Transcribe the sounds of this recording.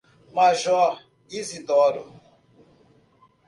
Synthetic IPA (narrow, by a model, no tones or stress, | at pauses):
maʒɔɾ | izid̪ɔɾṵ